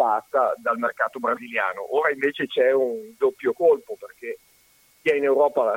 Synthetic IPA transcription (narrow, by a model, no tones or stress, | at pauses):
past̪ad̪almerkaːt̪obɾazilja̰ːno̰ʔoːɾaiɱveːt͡ʃet͡ʃɛund̪opːjokolpoperk̟e | kiɛinewɾɔːpala